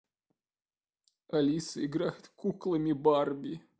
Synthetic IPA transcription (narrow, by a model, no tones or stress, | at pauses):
ɐlʲisɨɪɡɾajʊt̪kuklˠəmʲɪbarbʲi